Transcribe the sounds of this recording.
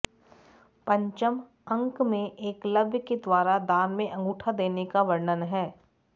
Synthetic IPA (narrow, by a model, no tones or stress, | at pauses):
pɐ̃ɲt͡ʃəm | ɐ̃ŋkmẽʔeːklɐbʱjəked̪waːɾad̪aːnmẽʔɐ̃ŋɡuːʈʰad̪eːnekaʋɐɾnənɦɛː